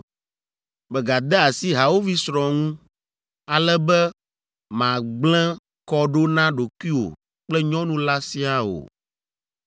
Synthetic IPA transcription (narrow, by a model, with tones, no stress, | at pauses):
bɛ˨ɡa˨d̪ɛ˦a˨si˦ɦa˨wo˦vi˦sɾɔ̃˨ŋũ˦ | a˨lɛ˦bɛ˦ | mã˨ɡ͡blɛ̃˦ | kɔ˦ɖo˦nã˦ɖo˨kwi˦o̰˨ | k͡plɛ˦ɲɔ̃˦nũ˦la˦si˦a˦o̰˨